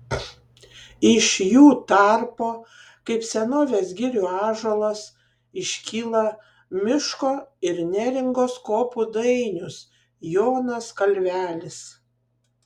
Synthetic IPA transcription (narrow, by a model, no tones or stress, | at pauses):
ɪʃjuːt̪ɑˑɾpoː | kɐɪpsʲɛnoːʋʲeːsɡʲɪɾʲʊɑːʒolˠɐs | ɪʃʲkʲiːlˠɐ | mʲɪʃkoːɪɾnʲæɾʲɪŋɡoːskoːpud̪ɐɪnʲʊs | joːnɐskɐlʲʋʲæːlʲɪs